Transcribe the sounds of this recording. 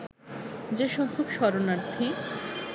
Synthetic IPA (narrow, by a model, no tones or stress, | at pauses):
d͡ʑeʃɔkʰukʃɔɾonaɾt̪ʰi